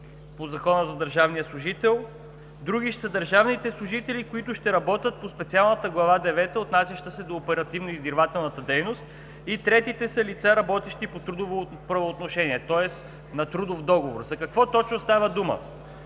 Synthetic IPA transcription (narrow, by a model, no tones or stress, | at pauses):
pozɐkɔnəzɐd̪əɾʒavnijəslˠʊʒit̪ɛlˠ | d̪ɾuɡ̟iʃsəd̪əɾʒavnit̪ɛslˠʊʒit̪ɛlikoit̪ʊʃt̪ɛɾɐbɔt̪ʲət̪̚pospɛt̪sialˠnət̪əɡlˠɐvad̪ɛvɛt̪əot̪nasʲjɐʃt̪əsɛd̪oːpɛɾɐt̪ivnoizd̪iɾvat̪ɛlˠnət̪əd̪ɛjnost̪ | it̪ɾɛt̪it̪ɛsəlit̪saɾɐbɔt̪ɛʃt̪ipot̪ɾud̪ovo | pɾɐvoːt̪noʃɛniɛt̪ɔɛs | nɐt̪ɾud̪ofd̪ɔɡovoɾzɐkɐkvɔt̪ɔt͡ʃnost̪avəd̪umə̰